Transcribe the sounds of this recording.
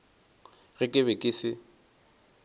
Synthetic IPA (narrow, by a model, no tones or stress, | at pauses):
ɣɪkʼɪβɛkʼɪsɪ